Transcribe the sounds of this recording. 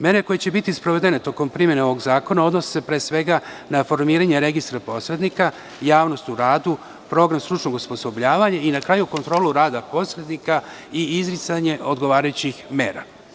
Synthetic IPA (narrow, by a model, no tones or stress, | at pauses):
me̞ːɾe̞ko̞jet͡ɕe̞bit̪ispɾo̞ʋe̞d̪enet̪o̞ko̞mpɾimjeneo̞ʋo̞ɡzaːko̞nao̞d̪nose̥se̞pɾeːsʋe̞ɡa | nafo̞ɾmiːɾaɲeɾe̞ɡist̪ɾapo̞sɾe̞d̪nika | jaːʋno̞st̪uɾaːd̪u | pɾo̞ɡɾamst̪ɾut͡ʃnoɡuspo̞so̞bʎaːʋaɲainakɾaːjuko̞nt̪ɾo̞ːluɾaːd̪apo̞sɾed̪nika | iizɾit̪saɲe̞ʔo̞d̪ɡo̞ʋaːɾajut͡ɕixme̞ːɾa̰